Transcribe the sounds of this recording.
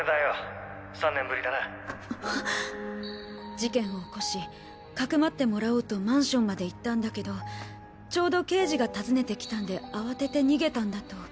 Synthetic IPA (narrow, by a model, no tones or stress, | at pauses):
ed̪aja | sãnːẽ̞mbɯ̟ɾid̪ana | d͡ʑikẽ̞ɰ̃o̞ko̞ɕi | kakɯ̟mat̪ːe̞mo̞ɾaoːt̪o̞mãɰ̃ɕõ̞mːad̪e̞it̪ːãnd̪ake̞d̪o̞ | t͡ɕo̞ːd̪o̞ke̞ːʑiɡat̪azɨne̞t̪e̞kʲi̥t̪ãnd̪e̞aβat̪e̞t̪e̞ɲ̟iɡe̞t̪ãnd̪at̪o̞